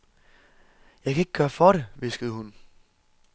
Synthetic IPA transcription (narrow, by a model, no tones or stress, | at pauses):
jɑ̈ɪkʰæe̝ɡ̥̚ɡ̥ɶːɐfɒɾeʋe̝sɡ̥əð̞̩ˠəhun